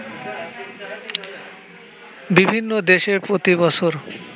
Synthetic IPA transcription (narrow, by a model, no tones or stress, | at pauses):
bibʱinːod̪eʃeɾpɾot̪ibɔt͡ɕʰoɾ